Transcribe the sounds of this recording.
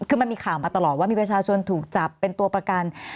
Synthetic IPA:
kʰɯː˧ma˧nmiː˧kʰaː˨˩wmaː˧t̪a˧lɔː˨˩t̪̚waː˥˩miː˧pɾa˧t͡ɕʰaː˧t͡ɕʰo˧nt̪ʰuː˨˩k̚t͡ɕa˨˩pːe˧nt̪u˧ɐpɾa˧ka˧n

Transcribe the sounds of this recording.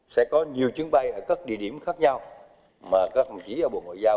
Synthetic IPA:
sɛ̰˧˥kɔ˨˦ɲi˨˩əwt͡ɕɨ˨˦əŋɓa˧jʔəː˧˩kaː˦˥k̚ɗḭ˧˨əɗi˧˩əmxaː˦˥k̚ɲa˧w | maː˨˩kaː˦˥k̚fə˨˩mt͡ɕi˨˦ʔəː˧˩ɓo̰˨˧˨ŋɔ̰˧˨jzaː˧

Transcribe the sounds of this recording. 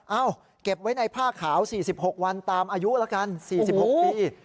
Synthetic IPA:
ʔa˧˩w | ke˨˩p̚wa˦˥jna˧jpʰaː˥˩kʰːaː˩˦wsiː˨˩si˨˩p̚ho˨˩k̚wa˧nt̪aː˧mʔaː˧ju˦˥la˦˥ka˧nsiː˨˩˨p̚ho˨˩˦k̚piː˧

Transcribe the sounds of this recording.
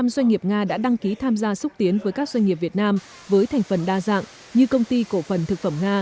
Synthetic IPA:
a˧mzwa˧jŋ̟ŋi˨˩əp̚ŋaː˧ɗa̰ː˧˥ɗa˧ŋki˨˦t̪ʰaː˧mzaː˧sʊ˦˥t̪i˨˦ənvəː˨˦jkaː˦˥k̚za˧ŋ̟ŋi˨˩p̚vi˨˩ət̚naː˧m | vəː˨˦jt̪ʰa˨˩ŋ̟fə˨˩nɗaː˧za̰ː˧˨ŋ | ɲɨ˧kə˧wŋ͡mt̪i˧ko˧˩fə˨˩nt̪ʰɨ˨˩k̚fə˧˩mŋaː˧

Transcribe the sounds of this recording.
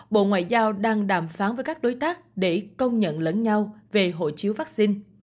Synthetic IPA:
ɓo̰˧˨ŋwa̰ː˧˨jzaː˧wɗaː˧ŋɗaː˨˩mfaː˨˦nvəː˨˦jkaː˦˥k̚ɗo˨˦jt̪aː˦˥k̚ɗe˧˩kə˧wŋ͡mɲə̰˧˨nləː˨˦nɲa˧wve˨˩ɦo̰˧˨t͡ɕi˨˦əwvaː˦˥k̚si˧n

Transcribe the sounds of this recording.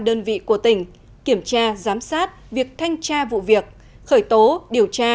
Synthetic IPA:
ɗəː˧nvḭ˧˨ku˧˩ət̪ï˧˩ŋ̟ | ki˧˩əmt͡ɕaː˧zaː˨˦msaː˦˥t̚vi˨˩ək̚t̪ʰa˧jŋ̟t͡ɕaː˧vṵ˧˨vi˨˩ək̚ | xəː˧˩jt̪o˨˦ɗi˨˩əwt͡ɕaː˧

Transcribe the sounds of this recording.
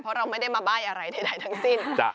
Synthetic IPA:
pʰɾɔ˦˥ɾa˧wma˥˩jda˥˩jmaː˧baː˥˩jʔa˧ɾa˧jda˥˩jda˦˥˩jt̪ʰa˦˥ŋsi˥˩nt͡ɕa̰˧˩

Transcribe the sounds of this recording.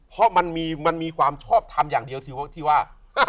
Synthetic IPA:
pʰɔ˦˥ma˧nmiː˧ma˧nmiː˧kʰwaː˧mt͡ɕʰɔː˥˩p̚t̪ʰa˧mjaː˨˩ŋdi˧əwt̪ʰiː˧t̪ʰiː˥˩waː˥˩ | a˧˩

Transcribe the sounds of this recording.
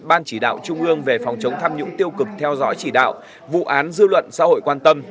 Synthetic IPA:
ɓaː˧nt͡ɕi˧˩ɗa̰ː˧˨wt͡ɕʊ˧ŋ͡mʔɨ˧əŋve˨˩fɔ˨˩wŋ͡mt͡ɕə˨˦wŋ͡mt̪ʰaː˧mɲʊ̰˧˥ŋt̪i˧əwkɨ˨˩k̚t̪ʰɛ˧wzɔ̰ː˧˥jt͡ɕi˧˩ɗa̰ː˧˨w | vṵ˧˨ʔaː˨˦nzɨ˧lwə̰˧˨nsa̰ː˧˥ho̰˧˨jkwaː˧nt̪ə˧m

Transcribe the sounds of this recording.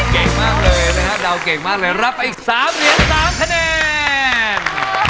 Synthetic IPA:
ke˨˩ŋmaː˥˩k̚lɤː˧jna˦˥kʰda˧wke˨˩ŋmaː˥˩k̚lɤː˧jɾa˦˥p̚ːa˧jʔiː˨˩k̚saː˨˦mɾi˨˦ənsaː˩˦mkʰa˧nɛː˧ | n

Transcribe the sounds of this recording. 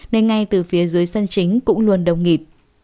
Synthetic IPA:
ne˧nŋa˧jt̪ɨ˨˩fi˨˦əzəː˨˦jsa˧ŋt͡ɕï˨˦ŋ̟kʊ̰˧˥ŋ͡mlu˧ənɗə˨˩wŋ͡mŋi˨˩p̚

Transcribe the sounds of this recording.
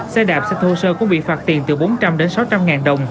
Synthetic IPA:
sɛ˧ɗaː˨˩p̚sɛ˧t̪ʰo˧səː˧kʊ̰˧˥ŋ͡mɓḭ˧˨faː˦˥t̚t̪ḭ˨˩ənt̪ɨ˨˩ɓo˨˦nt͡ɕa˧mɗe˨˦nsa˨˦wt͡ɕa˧mŋaː˨˩nɗə˨˩wŋ͡m

